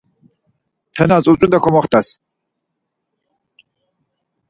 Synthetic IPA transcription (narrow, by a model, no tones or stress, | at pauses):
t̪ʰɛnat͡sʼut͡sʼund̪akʰɔmɔχt̪ʰas